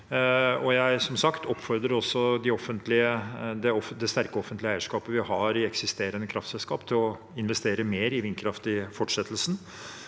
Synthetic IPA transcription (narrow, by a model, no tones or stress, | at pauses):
ɔjæɪsɔmsɑkt̪ʰɔpːfɔɾd̪ɾəɾɔsːɔd̪ɪɔfːənt̪lɪəd̪ɛɔfd̪ɛst̪æɾkəɔfənt̪lɪəæɪəʂkɑːpəʋɪhɑɾɪɛksɪst̪eːɾənəkʰɾʔɑft̪sɛlskɑːpt̪ʰɪlɔ | ɪnʋɛst̪eːɾəmeːɾɪʋɪnkʰɾɑft̪ɪfɔʈʂɛt̪ːəlsn̩